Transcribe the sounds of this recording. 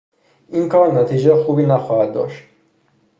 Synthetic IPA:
ʔiːnkʰɒːɾnæt̪ʰiːd͡ʒexuːbiːnæxɒːhæd̪̚ːɒ̰ːʃt̪

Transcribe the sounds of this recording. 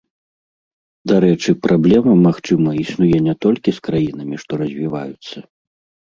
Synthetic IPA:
d̪aɾɛt͡ʂɨpɾʔablʲɛmɐmaxt͡ʂɨmɐisnujɛnʲɛt̪ɔlʲkʲiskɾajin̪ɐmʲiʂt̪ɔɾɐzʲvʲiva̰jut̪sːɐ

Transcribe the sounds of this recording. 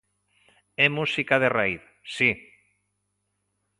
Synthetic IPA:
ɛmusikaðeraiθ | si

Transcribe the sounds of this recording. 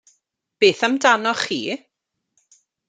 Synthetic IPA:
b̥eːθamdanɔχiː

